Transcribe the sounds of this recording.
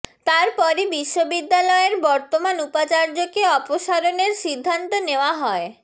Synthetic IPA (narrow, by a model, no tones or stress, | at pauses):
t̪aɾpɔɾibiʃːobid̪ːalɔeɾbɔɾt̪omanupat͡ɕaɾd͡ʑokeɔpoʃaɾoneɾʃid̪ʱːant̪oneoaɦɔe